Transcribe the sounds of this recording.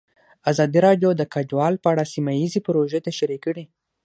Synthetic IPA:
azɑd̪iɾɑɖjod̪əkad͡ʒwɑlpəaɽasimajizipɾoʒet̪aʃaɾikːəɽi

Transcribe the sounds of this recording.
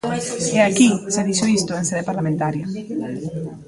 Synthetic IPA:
eakiseðiʃoist̪ʊenseðepaɾlamẽnt̪aɾjɐ

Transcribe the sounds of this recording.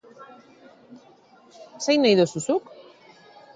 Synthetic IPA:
sejnajðosusuk

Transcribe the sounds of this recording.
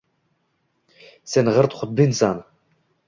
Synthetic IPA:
senʁəɾt̪χʊt̪̚binsan

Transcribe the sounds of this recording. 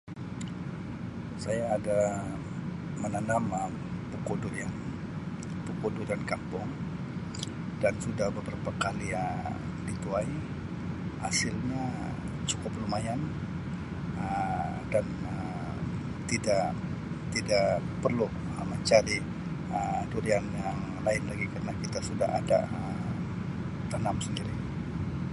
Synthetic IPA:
sajaːda | mənanaməm | pukudʊjaŋ | pukudʊdankampʊŋ | dansudahbəbɾapakaliə | dit̪uaj | hasɪlɲa | t͡ʃu̥kʊplumajan | ə | dan | ə | t̪idaʔ | t̪idaʔ | pərlu | məɲt͡ʃaɾi | əduɾianjaŋ | laɪnlaɡikarənakit̪asuda̰ɦa̰da̰ə | t̪anamsəndiɾi

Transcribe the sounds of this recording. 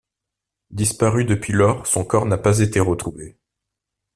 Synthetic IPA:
d̪ispaʁyd̪əpɥilɔʁsɔ̃kɔʁnapazet̪eʁət̪χuve

